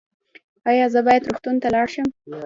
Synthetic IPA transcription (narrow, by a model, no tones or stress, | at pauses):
ɑjɑzəbɑjad̪ɾoxt̪unt̪alɑɽʃəm